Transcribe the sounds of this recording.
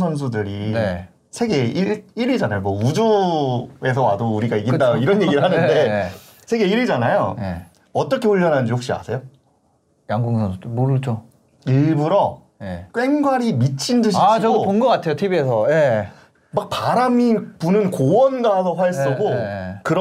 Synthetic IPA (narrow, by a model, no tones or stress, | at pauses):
sʰʌns̬ʰudɯɾine | sʰe̞ɡe̞iiɾid͡ʑanajomwʌud͡ʑu | e̞s̬ʰʌwadouɾiɡaiɡitd͈aoiɾʌnje̞ɡiɾɭhanɯnde̞ | sʰe̞ɡe̞iɾid͡ʑanajo̰je | ʌt͈ʌkʰe̞ɸuɭːʌnɦanɯnd͡ʑihok̚ɕ͈ia̰sʰe̞jo | jaŋɡuŋsʰʌnsʰudɯmoɾɯd͡ʑo | iɭbuɾʌ | jek͈we̞ŋɡwaɾimit͡ɕʰindɯɕit͡ɕʌɡopoŋɡʌk͈atʰe̞jotʰibie̞sʰʌje̞ | mak̚paɾamipunɯnkowʌnɡasʰʌɸwaeɭs͈ʌɡokɯɾ